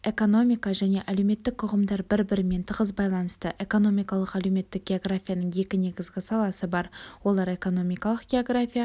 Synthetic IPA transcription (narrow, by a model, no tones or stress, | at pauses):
e̞ko̞no̞mʲijkɑʒæne̞ʔælewme̞t̪ːɪk̚t̪ʰʊʁəmd̪ɑɾbɪɾbɪɾɪme̞nt̪ʰəʁəzbɑjlˠɑnəst̪əʔe̞ko̞no̞mijkɑlˠəqælewme̞t̪ːɪk̚ɡʲe̞oɡrafʲijanəɴje̞kʲɪne̞ɡʲɪzɡʲɪsɑlˠɑsəbɑɾwo̞lˠɑɾe̞ko̞no̞mʲijkɑlˠəqɡʲe̞o̞ɡrafʲija